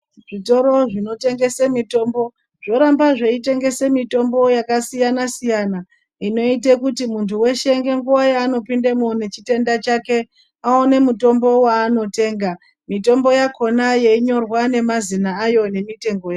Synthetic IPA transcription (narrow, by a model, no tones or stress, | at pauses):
ʐito̞ɾo̞ʐino̞te̞ŋɡe̞semito̞ːmbo̞ | ʐ̥o̞ɾambaʐe̞ite̞ŋɡe̞semito̞mbo̞jakasijanasijana | ino̞it̬ekutimuntʰuwe̞ʃe̞ŋɡe̞ŋɡuwajaːno̞pindamune̞t͡ʃite̞ndat͡ʃake̞ | aone̞muto̞mbo̞waːno̞te̞ːŋɡa | mito̞mbo̞jako̞najeiɲo̞rwane̞mazinaːjo̞ne̞mite̞ŋɡo̞ja